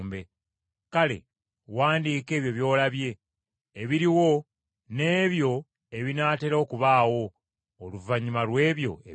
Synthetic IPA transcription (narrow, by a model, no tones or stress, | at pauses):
mbe̞ | kale̞̰ | waːndiːke̞ːβjo̞βjo̞ːlaβje̞ː | βiɾiwo̞ | ne̞ːβjo̞ | e̞βinaːte̞ɾokuβaːwo̞ː | luvaɲimalwe̞ːβjo̞̰ḛ